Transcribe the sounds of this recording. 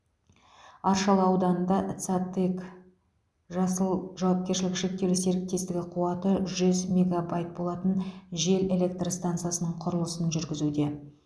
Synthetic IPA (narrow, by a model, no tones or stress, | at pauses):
ɑɾʃɑlˠəɑwd̪ɑnənd̪ɑt̪sat̪ek | ʒʒɑwɑp̚kʲe̞ɾʃɪlɪkʃek̚t̪e̞wlɪse̞ɾɪk̚t̪e̞st̪ɪɡʲɪqʰuɑt̪əʒʏzmʲeɡabajt̪̚bo̞lˠɑt̪ənʒe̞le̞lʲe̞k̚t̪rst̪ant̪sɨjasənəɴqʰʊɾəlˠəsənʒʏɾɡʲɪzud̪e̞